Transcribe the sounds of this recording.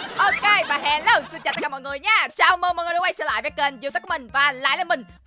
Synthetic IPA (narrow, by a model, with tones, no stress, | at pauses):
ʔo˧ke˧vaː˨˩ɦɛ˧lə˧˩wsi˧nt͡ɕaː˨˩t̪̚kːaː˧mɔ̰˧˨ŋɨ˨˩əjɲaː˧˩t͡ɕaː˨˩wməː˧nmɔ̰˨jɗo˦wʔa˧jt͡ɕəː˧la̰ː˧˨jve˨˦kə˧˩nzi˧˩t̪ə˦˥kːmï˨˩ŋ̟vaː˨˩la̰ː˧˨jlaː˨˩mï˨˩ŋ̟